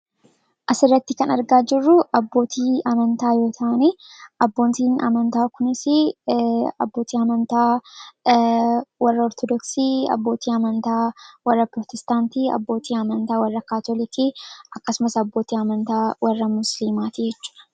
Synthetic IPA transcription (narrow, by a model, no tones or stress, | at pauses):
ʔɐsɪrːɐt̪ːɪkɐnɐɾɡaːd͡ʒɪrːʊʔɐbːo̞ːt̪ʰiːʔɐmɐnt̪aːjo̞ːt̪ʰɐʔɐneʔɐbːo̞ːnt̪iːnɐ̰mɐnt̪aːkʊnɪsɪ | ɐ̰bːo̞ːt̪iːɐmɐnt̪aː | wɐrːɐɔɾt̪ɔd̪ɔksiɐ̰bːo̞ːt̪ʰiːɐmɐnt̪aːwɐrːɐpɾot̪ʰɛst̪aːnt̪iːɐ̰bːo̞ːt̪iːɐmɐnt̪aːwɐrːɐkaːt̪olɪt̪iʔɐkːɐsʊmɐsɐbːo̞ːt̪iːɐmɐnt̪aːwɐrːɐmʊsliːmaːt̪iːd͡ʒɛt͡ʃːu̥ːʔɐ̥